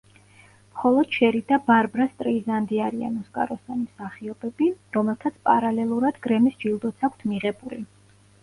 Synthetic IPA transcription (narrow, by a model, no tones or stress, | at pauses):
mχɔlˠɔd̪̥ʃɛɾid̪abaɾbɾast̪ʼɾiːzand̪iaɾia̰nɔskʼa̰ɾɔsanimsaχiɔbɛbiɾɔmɛlˠt̪ʰat̪sʰpʼaɾalɛlˠuɾad̪ɡɾɛmisd͡ʒilˠd̪ɔt̪sʰakʷʰt̪ʰmiʁɛbuli